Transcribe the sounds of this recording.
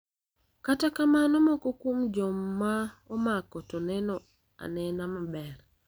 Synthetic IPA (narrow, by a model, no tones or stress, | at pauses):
katakamanɔmɔkɔkwomd͡ʒɔmːaɔmakɔtɔnɛnɔ | a̰nɛnamabɛr